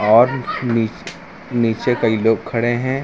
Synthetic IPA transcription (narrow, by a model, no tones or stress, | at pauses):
ɔːɾni | niːt͡ʃekɐiloːɡ̚kʰːɐɽeɦɛ̃ː